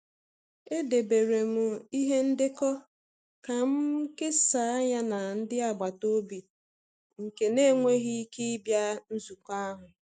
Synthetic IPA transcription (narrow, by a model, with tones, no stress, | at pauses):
e˦de˨be˨ɾe˨mʊ˨i˦ɦe˦n̩˦dɪ˦kɔ˦ | ka˨m̩˦kɪ˦sa˨˦a˦ɲa˦na˨n̩˦dɪ˦a˨ɡ͡ba˨to˦bi˨ | ŋ̩˨ke˨ne˦ŋʷe˦ɦi˦ki˦i˦bja˦n̩˦zu˨ka˦ɦʊ˨